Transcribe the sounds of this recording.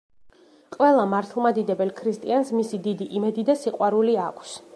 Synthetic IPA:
qʼwɛlˠamaɾt̪ʰlˠmad̪id̪ɛbɛlkʰɾist̪ʼiansmisid̪id̪iʔimɛd̪id̪asiqʼwaɾuliakʷʰs

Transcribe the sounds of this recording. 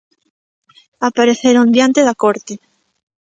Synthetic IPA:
apaɾeθeɾond̪jant̪eðakoɾt̪e

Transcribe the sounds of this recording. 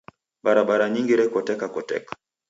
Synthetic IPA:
ɓaɾaɓaɾaɲiŋɡiɾɛkɔtɛkakɔtɛ̰kḁ

